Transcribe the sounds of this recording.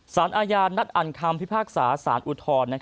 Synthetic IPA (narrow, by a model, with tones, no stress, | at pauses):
saː˩˦nʔaː˧jaː˧nːa˦˥t̪̚ʔa˨˩nkʰa˧mpʰi˦˥pʰaː˥˩k̚saː˩˦saː˩˦nʔu˧t̪ʰɔː˧nːa˦˥kʰ